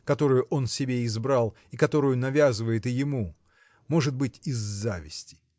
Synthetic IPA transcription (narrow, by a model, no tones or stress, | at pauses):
kɐt̪o̞ɾʊjʊʔo̞nsʲɪbʲeɪzbɾɑlˠ | ɪkɐt̪o̞ɾʊjʊnɐvʲazɨvəjɪt̪ɨjɪmu | mo̞ʐɨd̪̚bɨtʲɪzːavʲɪsʲtʲɪ̥